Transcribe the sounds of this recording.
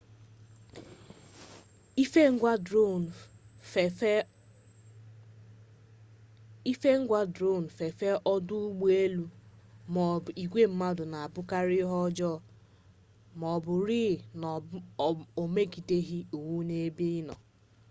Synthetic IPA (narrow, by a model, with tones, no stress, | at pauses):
i˦fŋ̩˦ɡʷa˦do˦ | i˦fe˦ŋ̩˦ɡʷa˦dɾo˦˨n̩˨fe˨fe˦ʔɔ˦dʊ˦ɡ͡bu˦e˦lu˦m˨i˨ɡʷe˦m̩˦ma˦dʊ˨na˨a˨bʊ˦ka˦ɾɪ˦ɦɔ˦d͡ʒɔ˦ | mɔ˨bʊ˨ɾiː˦˨nɔ˨ | o˨me˦ki˨te˦ɦi˦u˨wu˦ne˦bi˦nɔ̰˨